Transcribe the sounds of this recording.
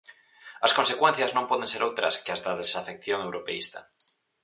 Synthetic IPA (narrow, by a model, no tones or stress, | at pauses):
askonsekwen̟θjaznõmpɔðẽnseɾowt̪ɾaskeazðaðesafekθjoŋewɾopeḭst̪a̰